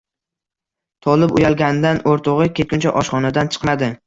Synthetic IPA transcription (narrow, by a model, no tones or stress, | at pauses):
t̪ʰɒlˠɪpʊjalˠɡʲanɪd̪anʔoɾt̪ʰoʁɨkʲet̪̚kʲʊnt͡ʃʰa̰ʔɒʃχɒnad̪ant͡ʃʰɨ̥qmad̪ɪ